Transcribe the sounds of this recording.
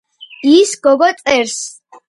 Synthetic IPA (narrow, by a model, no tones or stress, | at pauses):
isɡ̥ɔɡɔt̪sʼɛɾs